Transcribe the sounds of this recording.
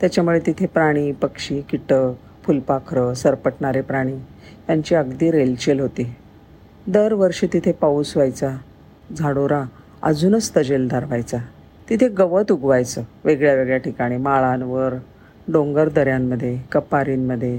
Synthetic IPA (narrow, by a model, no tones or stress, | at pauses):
t̪jat͡ɕjamuɭet̪it̪ʰepɾaɽ̃iːpəkʂiːkiʈə | fulpakʰɾəsəɾpəʈɳaɾepɾaɽ̃iː | jaɲt͡ɕiəɡd̪iːɾelt͡ɕelɦot̪iː | d̪əɾʋəɾʂiːt̪it̪ʰepausʋajt͡sa | d͡zʱaɽoɾa | ə̰d͡zuːnəst̪əd͡ʑeld̪ʱaɾʋajt͡sa | t̪it̪ʰeɡəʋət̪uɡʋajt͡səʋeɡɭjaʋeɡɭjaʈikaɽ̃imaɭanʋəɾ | ɖoŋɡəɾd̪əɾjamːəd̪ʱːjekəpaɾiːnməd̪ʱːje